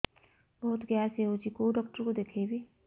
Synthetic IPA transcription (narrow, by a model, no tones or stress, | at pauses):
bɔɦt̪ɡjaseot͡ʃikoːɖɔːkʈəɾkod̪eːkʰebʱiː